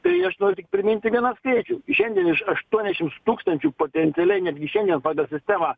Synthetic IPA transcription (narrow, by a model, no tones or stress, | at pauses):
t̪ɐɪɐʃnoːɾʲʊt̪ʲɪk̚pʲɾʲɪmʲɪnʲt̪ʲɪʋʲiɛnɑːskɐɪt͡ʃʲuːʃʲɛnʲd̪ʲiɛnɪʃɐʃt̪uɔnʲd̪ʲɛʃʲɪmt̪uːkst̪ɐnʲt͡ʃʲuːpoːt̪ʲɛnʲt̪sʲɪɛlʲɛɪnʲæːd̪ʲɡʲɪʃʲɛnd̪ʲiɛnpɑːɡɐlˠsʲɪsʲt̪ʲæːmɑː